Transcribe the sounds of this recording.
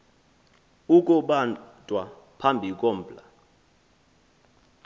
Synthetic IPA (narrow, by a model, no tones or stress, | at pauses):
ukʼɔɓantʼwa | pʰambʱikʼɔːm̩pla